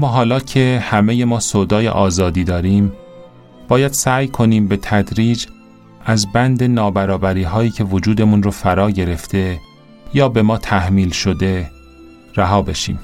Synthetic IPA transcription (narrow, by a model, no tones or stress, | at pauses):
mɒːɦɒːlɒːcʰe̞hæme̞je̞mɒːsoːd̪ɒːjḛʔɒːzɒːd̪iːd̪ɒːɾiːm | b̥ɒːjæd̪̥sæːjkʰo̞niːmbe̞t̪ʰæd̪ɾiːd͡ʒ | ʔæzbænd̪e̞nɒːbæɾɒːbæɾiːɦɒːjiːcʰe̞vod͡ʒuːd̪e̞munrofæɾɒːɟe̞ɾe̞ft̪ʰe̞ | jɒːbe̞mɒːt̪ʰæhmiːlʃo̞d̪e̞ | ɾæɦɒːbe̞ʃḭːm